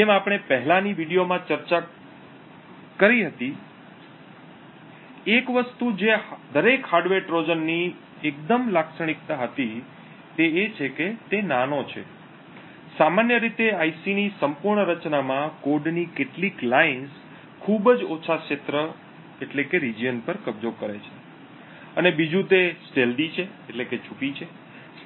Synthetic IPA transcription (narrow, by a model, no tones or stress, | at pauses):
emapɽ̃epəɦlãniʋiɽijomãt͡ʃəɾt͡ʃa | kəɾiɦət̪i | ekʋəst̪ud͡ʒed̪ʱəɾekhaɾɖʋeʈɾod͡ʒənːi | ek̚d̪əmlaksəɽ̃ik̚t̪aɦət̪i | t̪eet͡ʃʰeket̪enanot͡ʃʰḛ | samanjəɾit̪eaisinisəmpuɾɳəɾət͡ʃnamãkoɾɖnikeʈliklains | kʰubəd͡ʒot͡ʃʰaʃet̪ɾə | eʈlekeɾid͡ʒijənpəɾkəb̚d͡ʒokəɾet͡ʃʰe̥ | ənebid͡ʒũt̪esʈelɖit͡ʃʰeːʈleket͡ʃʰupit͡ʃʰe